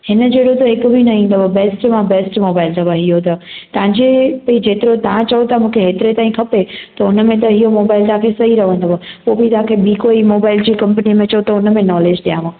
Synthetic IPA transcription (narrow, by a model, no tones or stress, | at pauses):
hɪnəd͡ʑeːɽot̪ɐɦɪkʊbʱinɐɦĩːnd̪əbɐbeːsʈmãbeːsʈmoːbaːɪlt̪ʰɐbəɦiɦot̪ɐt̪ɐʋãɲd͡ʑepɐid͡ʑeːt̪ɪɾot̪ɐɦãt͡ɕɐot̪ʰamũːkʰeɦeːt̪ɪɾet̪aːĩkʰɐpet̪ɐʊnə̆mẽt̪̬ɐɦiɦomoːbaːɪlt̪ɐɦãkʰesɐɦiɾɐʋə̃nd̪obəpoːbit̪ɐɦãːkʰebikoːimoːbaːɪld͡ʑiːkɐ̃mpnimẽt͡ɕɐot̪ɐʊnə̆mẽnɔːleːd͡ʑɗijãːʋãː